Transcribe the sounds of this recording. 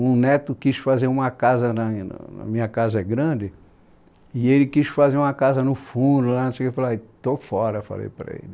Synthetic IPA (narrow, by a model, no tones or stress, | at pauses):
ũnɛt̪ʊkisfazeɾũmɐkazɐnɐn̰nɐ̰mĩɲɐkazɐɛɡɾɐ̃d͡ʒɪ | ɪelɪkisfazeɾũmɐkazɐnʊfũd̪ʊlanosewkefalaɪt̪ofɔɾɐfa̰lḛjpɾɐ̰ḛl